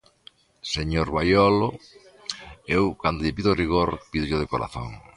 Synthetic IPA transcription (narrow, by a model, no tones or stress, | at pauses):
seɲoɾβajɔlo | ewkand̪oʎɪpiðoriɣ̞oɾpiðoʎoð̞ekoɾa̰θo̰ŋ